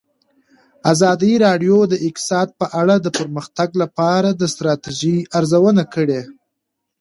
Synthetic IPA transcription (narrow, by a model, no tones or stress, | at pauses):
azɑd̪iɾɑɖjod̪əɪkt̪ɪ̥sɑd̪̚pəʔaɽad̪əpəɾməxt̪aɡlapɑɾad̪əst̪ɾɑt̪iʒiaɾzawənakəɽe